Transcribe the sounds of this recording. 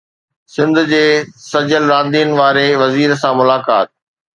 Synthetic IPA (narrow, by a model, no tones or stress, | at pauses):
sɪ̃nd̪ʱd͡ʑeːsɐd͡ʑəlɾaːd̪iːənʋaːɾeʋɐziːɾsãmʊlaːka̰ːt̪̚